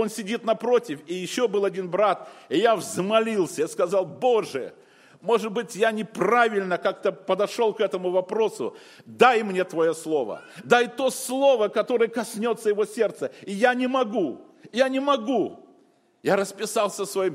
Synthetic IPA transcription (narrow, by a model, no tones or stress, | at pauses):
o̞nsʲɪdʲit̪nɐpɾo̞tʲɪfɪjɪɕːo̞bɨlˠɐdʲinbɾat̪ɪjavzmɐlʲilˠsʲəiskɐzɑlˠbo̞ʐɨ̰ | mo̞ʐɨt̪̚bɨtʲjanʲɪpravʲɪlʲnəkak̚t̪əpəd̪ɐʂo̞lˠkɛt̪əmʊvɐpɾo̞sʊ̰ | d̪ajmnʲe̞t̪vɐjoslˠo̞və̰d̪ajt̪o̞slˠo̞vəkɐt̪o̞ɾɨjəkɐsʲnʲo̞t̪sːəjɪvo̞sʲe̞rt̪səɪjanʲɪmɐɡu | janʲɪmɐɡu | jaɾəspʲɪsalˠsʲəsvɐim